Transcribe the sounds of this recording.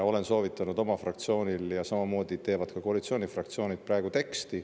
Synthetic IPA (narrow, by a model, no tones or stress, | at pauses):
o̞le̞nso̞ːvit̪ːˑɑnud̪o̞mɑfrɑkt̪sio̞ːnʲiljɑsɑmɑmo̞ːd̪̥it̪e̞ːvɑd̪̥̚kɑko̞ɑlit̪sioːnʲifrɑkt̪sio̞ːnʲid̪̥̚pɾɑeɡut̪e̞kst̪i